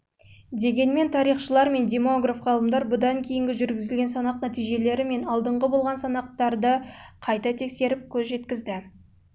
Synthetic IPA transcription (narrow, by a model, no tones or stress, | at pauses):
d̪e̞ɡʲe̞nme̞nt̪ʰɑɾijχʃəlˠɑɾme̞nd̪ʲe̞mo̞ɡrafʁɑlˠəmd̪ɑɾbʊd̪ɑŋkʲʰe̞jɪŋɡʲɪʒʏɾɡʲɪzɪlɡʲe̞nsɑnɑqnæt̪ijʒe̞le̞ɾɪme̞nɑlˠd̪əɴʁəbo̞lˠʁɑnsɑnɑq̚t̪ɑɾd̪əqʰɑjt̪ɑt̪ʰe̞kse̞ɾɪp̚kʲʰɵzʒe̞t̪kʲɪzd̪ɪ